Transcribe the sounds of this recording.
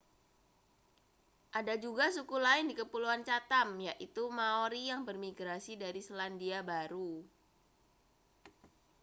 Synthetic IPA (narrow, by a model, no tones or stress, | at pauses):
ʔadad͡ʒuɡasukulaɪndikəpuluant͡ʃat̪amjaʔit̪umaoɾijaŋbərmiɡɾasidaɾisəlandiabaɾu